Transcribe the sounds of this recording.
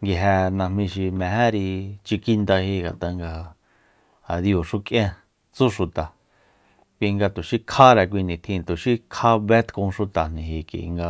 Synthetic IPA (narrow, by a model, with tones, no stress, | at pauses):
ŋɡi˧ɦæ˧nã˧mĩ˧ʃi˧mɛ̃˨ɦɛ̃˦ɾi˧t͡ʃi˧ki˦nd̪a˧hi˦ŋɡa˨t̪a˧ŋɡa˧ | a˨ði˧o˨ʃu˦kʼʔjã˦ | t͡su˦ʃu˨t̪a˨ | kʷi˧ŋɡa˧t̪o˨ʃi˦kʰa˦ɾɛ˨k̬ʷi˧nĩ˨t̪ʰĩ˧t̪o˨ʃi˦kʰa˦βe˦t̪kõ˧ʃu˧t̪a˨nĩ˨ɦi˨kḭ˨˧ŋɡa˧